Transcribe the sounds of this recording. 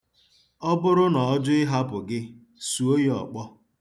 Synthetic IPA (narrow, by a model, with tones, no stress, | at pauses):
ɔ˦bʊ˦ɾʊ˦nɔ˨ɔ˦d͡ʒʊ˦ɪ˦ɦa˦pʊ˨ɡɪ˦ | su˨o˦ji˦ɔ̰˨k͡pɔ˦